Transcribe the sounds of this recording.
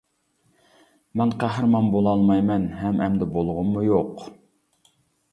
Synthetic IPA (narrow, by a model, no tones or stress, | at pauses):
mɛnqʰæɦɾmɑnbolˠɑlˠmɑjmɛnɦɛmʔɛ̰md̪ɛbolˠʁʊnmujoq